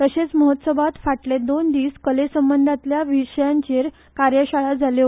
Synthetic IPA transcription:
t̪əɕet͡sməɦət̪səbʱat̪faʈled̪ond̪iːskəlesəmbənd̪ʱat̪ljaʋiʂəjaɲt͡ɕeɾ | kaɾjəɕaɭad͡zʱale

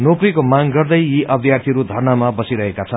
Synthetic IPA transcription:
noprikomaŋɡʌrd̪ʌjiʔʌb̪ʱjart̪ʰiʌɾud̪ʱʌrnamabʌsiɾʌɦekat͡sʰʌn

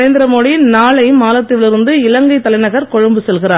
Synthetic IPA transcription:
ɾeːnd̪ɪɾɐmoːɽinaːɭɐjɯmːaːlɐt̪ːɪʋɪlɪɾɯnd̪ɯɪlɐŋɡɐɪt̪ːɐlɐɪnɐɣɐɾkɔɻɐmbɯsɛlɣɪɾaː

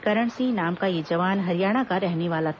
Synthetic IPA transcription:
kɐɾəɽ̃sĩnaːmkajid͡ʒɐʋaːnɦɐɾijaːɽ̃akaɾɛɦneʋaːla

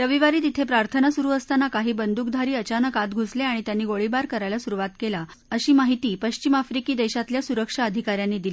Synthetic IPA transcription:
ɾəʋiʋaɾiːt̪it̪ʰepɾaɾt̪ʰənasuɾuːəst̪anakaɦiːbənd̪uːk̚d̪ʱaɾiːət͡ɕanəkat̪ɡʱusleaɽ̃it̪janːiːɡoɭibaɾkəɾajlasuɾuʋat̪kela | əɕiːmaɦit̪iːpəɕt͡ɕimafɾikiːd̪eɕat̪ljasuɾəkʂaəd̪ʱikaɾjanːiːd̪ilei

